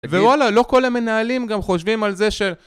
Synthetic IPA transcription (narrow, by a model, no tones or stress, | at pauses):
vewalalo̞ko̞lame̞naalimɡamχo̞ʃvimalze̞ʃel